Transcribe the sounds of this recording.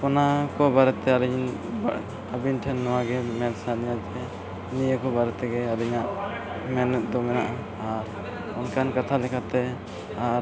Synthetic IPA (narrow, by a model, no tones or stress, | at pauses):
ɔnakɔbaɾɛt̪ɛaɾiɲb | abinʈʰɛnːɔwaɡɛmɛlsanijat͡ʃʰɛ | nijəkɔbaɾɛt̪ɛɡɛaɾiɲaʔ | mɛnɛt̪̚d̪ɔmɛnaʔa | aɾ | ɔnkankat̪ʰalɛkʰat̪ɛ | aɾ